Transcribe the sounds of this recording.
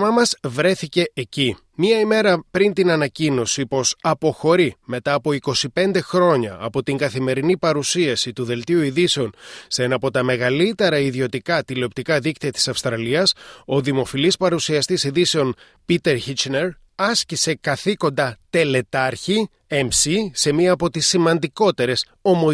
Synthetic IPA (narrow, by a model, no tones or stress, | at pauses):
mɐmɐzvɾe̞θice̞ːci | miɐime̞ɾɐpɾint̪inɐnɐcino̞sipo̞sɐpo̞xo̞ɾime̞t̪ɐːpo̞iko̞sipe̞nd̪e̞xɾo̞ɲɐːpo̞t̪iŋɡɐθime̞ɾinipɐɾusiɐsit̪uðe̞lt̪iuiðise̞o̞nseenɐpo̞t̪ɐme̞ɣɐlit̪e̞ɾɐiðio̞t̪ikɐt̪ileop̚t̪ikɐðikt̪iɐt̪i̥sɐfst̪ɾɐliɐso̞ðimo̞filispɐɾusiɐst̪isiðise̞o̞n | pit̪e̞ɾçit͡ʃneɾ | ɐscise̞kɐθiko̞nd̪ɐt̪e̞le̞t̪ɐɾçi | emsise̞miɐːpo̞t̪isːimɐnd̪iko̞t̪e̞ɾe̞s | o̞mo